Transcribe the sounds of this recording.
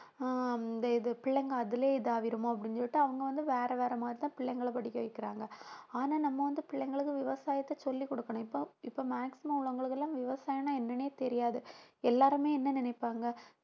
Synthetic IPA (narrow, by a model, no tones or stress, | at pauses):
d̪ɐɪðɯpɪɭːɛŋɡɐɐðɪleːɪðaːʋɪɾɯmoːɐp̬ːɐɽɪnsɔʋɪʈːɯɐʋɐŋɡɐʋɐnd̪ɯʋeːɾɐʋeːɾɐmaːd̪ɾit̪ãːpɪɭːɛŋɡɐɭɐpɐɽɪkːɐʋɐɪkːɪɾaːŋɡɐaːnaːnɐmːɐʋɐnd̪ɯpɪɭːɛŋɡɐɭɯkːɯʋɪʋɐsaːjɐt̪ːɐsɔlːikːɔɽɯkːɐɳʊ̃ɪpːoɪpːoːmaːksɪmɐmʊɭɐŋɡɐɭɯkːɐlːãːʋɪʋɐsaːjɐnaːɛnːɐneːt̪ɛɾɪjaːðɯɛlːaːɾɯmeːɛnːɐnɪnɛɪpːaːŋɡɐ